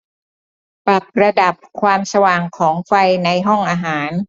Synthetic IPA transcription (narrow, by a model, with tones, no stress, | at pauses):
pɾa˨˩p̚ɾa˧da˨˩p̚kʰwaː˧msa˧waː˨˩ŋkʰɔː˩˦ŋfa˧jna˧jɦɔ˥˩ŋʔaː˧ɦaː˩˦n